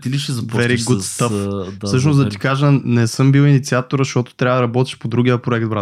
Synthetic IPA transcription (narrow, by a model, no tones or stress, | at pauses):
t̪iliʃɛzɐpvɛɾiɡɡost̪affsɤʃ̬nozd̪ɐt̪ikaʒənɛsɤmbiwinit̪siat̪oɾʃtɔt̪o̥t̪ɾavɐd̪ɐɾɐbɔt̪ɛ̥ʃpod̪ɾuɡʲiəpɾoɛkd̪̚bɾa